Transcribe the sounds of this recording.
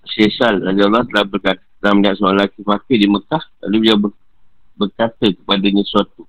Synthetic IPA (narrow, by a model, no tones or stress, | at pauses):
sesalnad͡ʒalːat̪əlahbərkat̪t̪əlaməniaʔ̪soaŋlakimakədiməkahla̰lubilawbə | bərkat̪əkə̥padaɲãsuat̪u